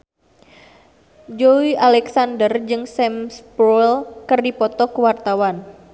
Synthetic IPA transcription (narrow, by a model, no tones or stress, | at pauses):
d͡ʒoialɛksandərd͡ʒɨŋsɛmsbɾɔlkərdipɔt̪ɔkəwart̪awan